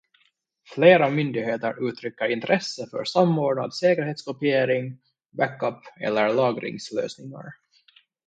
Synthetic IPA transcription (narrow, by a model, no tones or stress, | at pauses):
fleːɾamʏnd̪ɪɡɦeːt̪əɾʔʉːt̪ʰɾʏkːəɾɪnt̪ʰɾʔɛsːəfœ̰ɾsamːoːɖɳa̰d̪seːkəɾheːt̪skɔpɪeːɾɪŋ | bækːœpːɛ̰lːəɾlɑːɡɾɪ̰ŋslø̰ːsnɪŋa̰ɾ